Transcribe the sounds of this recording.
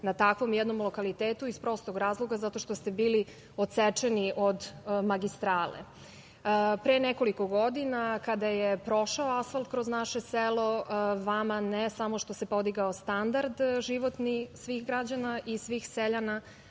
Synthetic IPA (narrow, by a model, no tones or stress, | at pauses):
nat̪akʋo̞mjɛd̪no̞mlˠo̞kalit̪eːt̪uispɾo̞st̪oɡɾaːzlˠoɡazat̪o̞ʃt̪o̞st̪e̞biːli | ot̪set͡ʃeniʔod̪maɡist̪ɾaːlḛ | pɾeːneko̞liko̞ɡo̞d̪inakad̪ajepɾo̞ʃaoasfalt̪̚kɾoznaʃeselo̞ʋamanesamoʃt̪o̞se̞po̞d̪iɡaost̪and̪aɾd̪ʒiʋo̞t̪nisʋixɡɾad͡ʑanaʔisʋiːxseʎana